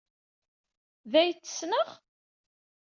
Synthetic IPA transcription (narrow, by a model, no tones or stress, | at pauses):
ðæjt͡sːə̥snəʁ